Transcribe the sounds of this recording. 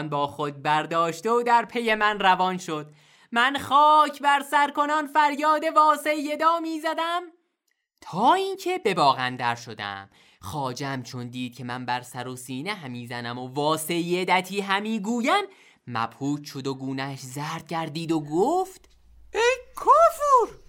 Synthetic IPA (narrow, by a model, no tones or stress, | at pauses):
nbɒːxod̪̚bæɾd̪ɒːʃt̪eod̪æɾpʰe̞je̞mænrævɒnʃo̞d̪ | mænχɒːcʰbæɾsæɾko̞nɒnfæɾjɒːd̪e̞vɒːsejːed̪ɒːmiːzæd̪æm | t̪ʰɒːiːncʰe̞be̞bɒːɣænd̪æɾʃod̪æ̰m | xɒːd͡ʒæmt͡ʃʰo̞nd̪iːd̪̥̚cʰe̞mænbæɾsæɾosiːneɦæmiːzænæmo̞vɒːse̞jed̪æt̪ʰiːɦæmiːɡuːjæn | mæ̰b̥huːt̪ʃod̪oɡuːnæʃzæːɾd̪̥̚cʰæɾd̪iːd̪oɡoːft̪ | ejkʰofuɾ